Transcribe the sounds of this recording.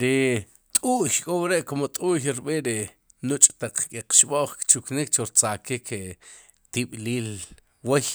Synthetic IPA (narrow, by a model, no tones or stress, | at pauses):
ɾi | t̪ʼuːçkʼowɾeʔkomot̪ʼuxɾɓiʔɾi | nut͡ʃʼt̪aq͡χkʼeqʃɓoʔχkt͡ʃuknik̚t͡ʃoɾt͡sakikʰe | t̪iɓliːl | wej